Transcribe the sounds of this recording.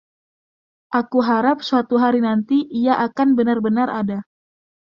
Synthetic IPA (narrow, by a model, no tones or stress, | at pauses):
ʔakuɦaɾap̚suat̪uɦaɾinant̪iʔiaʔakanbənarbənaɾʔada